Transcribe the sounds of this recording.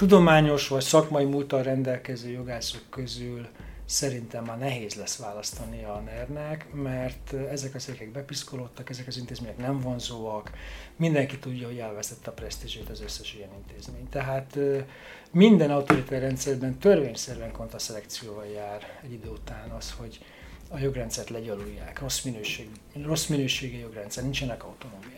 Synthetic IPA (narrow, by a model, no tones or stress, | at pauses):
t̪ud̪o̞maːɲo̞ʃʋɒcsɒkmɒimult̪ɒɾɛnd̪ɛlkɛzøːjo̞ɡaːsokːøzyl | sɛɾint̪ɛmːɒnɛɦeːzlɛsʋaːlɒst̪ɒniɒnɛrnɛkmɛrt̪ɛzɛkɒsekɛɡ̚bɛpiskolo̞t̪ːɒkɛzɛkɒzint̪eːzmeːɲɛknɛɱvo̞nzoːɒkmind̪ɛŋkit̪uɟːɒɦo̞ɟɛlvɛst̪ɛt̪ːɛɒprɛst̪iʒeːt̪ɒzø̞sːɛʃijɛnint̪eːzmeːɲt̪ɛɦaːt̪ | mind̪ɛnɒut̪oɾit̪ɛrːɛnt̪sɛrbɛnt̪ørveːɲsɛɾyɛŋko̞nt̪rɒsɛlɛkt̪sijoːvɒljaːrɛɟːid̪øːut̪aːnɒsho̞ɟ | ɒjo̞ɡrɛnt̪sɛrt̪lɛɟɒlujːaːkro̞sminøːʃeːɡ | ro̞sminøːʃeːɡɛjo̞ɡrɛnt̪sɛrnint͡ʃɛnɛkɒut̪o̞noːmijaː